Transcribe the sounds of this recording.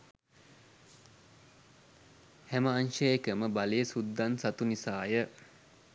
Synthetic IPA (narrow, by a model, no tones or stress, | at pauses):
hæməanʃəjekəməbalejəsud̪ːansat̪unisaːjə